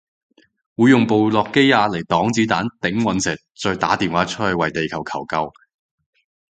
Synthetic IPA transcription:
wuː˨˧jʊ˨ŋpo˨wlɔː˨kːe˥jaː˧le˨˩jt̪ɔː˨˥ŋt͡siː˨˥t̪aː˨˥nt̪ɪ˨˥ŋwɐ˨˧nsɪ˨˩t̚t͡sɔː˧jt̪a̰ː˨˥t̪iː˨˩nwaː˨˥t͡ʃʰɵ˥thɵ˨˧wɐ˨˩jt̪e˨jkʰɐ˨˩wkʰɐ˨˩wkɐ˧w

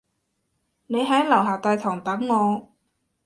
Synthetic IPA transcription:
ne˨˧jɦɐ˨˥jlɐ˨˩wɦaː˨˩t̪aː˨˧jt̪ʰɔː˨˩ŋt̪ɐ˨˥ŋːɔː˨˧

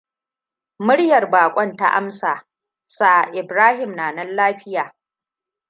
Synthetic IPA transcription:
mʊ˦ɽjɐ˨rbaː˨kʷʼɔ˦nta̰˦ʔa̰˦msaː˨ | sa˦˨ʔɪ˨bɾaː˦hɪ˨mnaː˨nɐ˦nlaː˦ɸɪ˦jaː˨

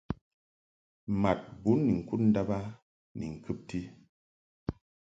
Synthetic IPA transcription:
ma˨t̚bu˨˦nːi˨ŋ̩˨ku˦t̚n̩˦da˦ba˦ | nḭ˨ŋ̩˨kɨ˦p̚ti˦

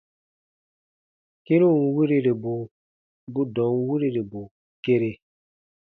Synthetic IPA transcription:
ki˦ɾũ˦˨n˦wi˦ɾi˦ɾe˨bu˨ | bu˦dɔ̃˨˦ŋ˦wi˦ɾi˦ɾe˨bu˨ | ke˦ɾe˦

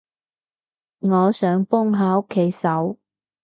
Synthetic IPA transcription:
ŋɔː˨˧sœː˨˥ŋpʊ˥ŋɦaː˨˧o˥kʰːe˨˥jsɐ˨˥w

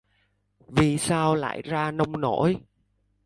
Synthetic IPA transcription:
vi˨˩saː˧wla̰ː˧˨jzaː˧nə˧wŋ͡mno˧˥j

